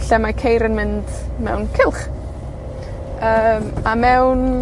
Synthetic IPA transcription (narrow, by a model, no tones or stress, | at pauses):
ɬɛmakʰejɾənmɪnd̥mɛwnkʰɪlˠχ | əːmamɛwn